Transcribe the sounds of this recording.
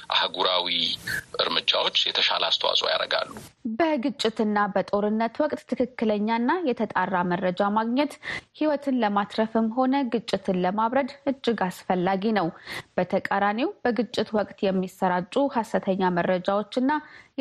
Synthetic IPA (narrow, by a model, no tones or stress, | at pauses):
ʔahɡuɾawiʔɨ̰ɾmɨd͡ʒːawo̞t͡ʃːjɛt̪ʰəʃaləast̪ʰəwa̰sʼo̰ja̰ɾə̰ɡa̰lːubəɡɨt͡ʃʼːɪt̪ɨnːabət̪ʼo̞ɾɨnːət̪wɔkʼt̪ːʰɨkʰɨkːɨləɲːanːajɛt̪ʰət̪ʼarːamərːəd͡ʒamaɡɲɛt̪hiwɔt̪ʰɨnləmat̪ɾəfɨmɦo̞nəɡɨt͡ʃʼːɪt̪ʰɨnləmaβɾəd̪ʔɨd͡ʒːɪɡasfəlːaɡinəwb̥ət̪ʰəkʼaɾamiwb̥əɡɨt͡ʃʼːɪt̪wɔkʼt̪jɛmːisːəɾat͡ʃʼuhasət̪ʰəɲːamərːəd͡ʒawo̞t͡ʃːɨnːa